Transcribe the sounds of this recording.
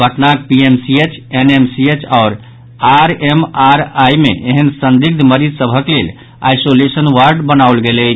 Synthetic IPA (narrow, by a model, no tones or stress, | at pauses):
bʱəʈnak̚piemsiet͡ʃenemsiet͡ʃʰaʊɾ | aɾemaɾajmḛʔeɦənsənd̪iɡ̚d̪ʱməɾid͡ʒ̪ʱsəbʱəklel | a̰jsolesənwaɾɖbənawlɡelɛ